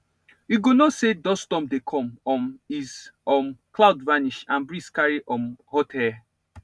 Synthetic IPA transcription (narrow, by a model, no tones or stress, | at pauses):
juɡonɔsedɔstɔ̃mdekʰɔ̃mɔmizɔmklaʊdvaniʃãnbɹiskaɹiʔɔmhɔtʰɛ